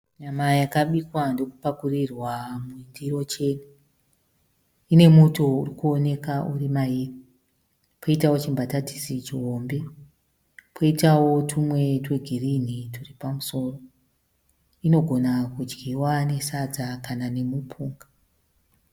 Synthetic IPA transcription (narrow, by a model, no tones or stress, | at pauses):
ɲamajakaɓikwandokupakurirwamundiro̞t͡ʃe̞nu | ine̞muto̞urikuone̞kaʔurimaiːri | pʰoitawo̞t͡ʃimbatati̥sit͡ʃiɦo̞mbe̞ | pʰoitawo̞tʰumwe̞tweɡʱirinituripamuso̞ːro̞ | ino̞ɡʱo̞nakud͡ʒɡiwane̞sad͡zakanane̞mupʰuːŋɡa